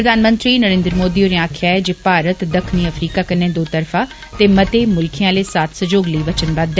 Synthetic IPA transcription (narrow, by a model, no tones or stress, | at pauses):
ɾəd̪ʱaːnmə̃nt̪ɾiːnəɾẽːnd̪ɾəmoːd̪iːoːɾẽaːkʰjaːɛːd͡ʒeːpaːɾət̪d̪əkʰniːəfɾiːkaːkənːẽːd̪oːt̪əɾfʰãː | t̪eːmət̪eːmʊlkʰijãːleːsaːt̪ʰsəd͡ʒoːɡləiːʋət͡ʃənbad̪ːɛ